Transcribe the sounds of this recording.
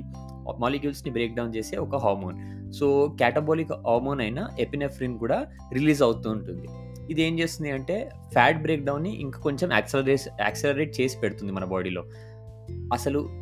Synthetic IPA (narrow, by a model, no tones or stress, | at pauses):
maːlekjuːlsnibɾeːk̚ɖɐwnt͡ʃeːse̞ːɔkɐɦaːɾmoːn | so̞ːkaːʈɐboːlikɦaːɾmo̞ːnɐjnɐʔepinepʰːɾinkuːɽaː | ɾiliːzɐwut̪uːɳʈund̪i | id̪e̞ːmt͡ʃeːst̪ind̪iɐɳʈe̞ː | pʰaːʈ̚bɾeːk̚ɖɐwnːiʔḭŋkaːko̞ɲt͡ʃema̰ːkselɐɾeːsa̰ːkselɐɾeːʈ̚t͡ʃe̞ːsi̥peɽt̪und̪imɐnɐbaːɽilo̞ː | ɐsɐlu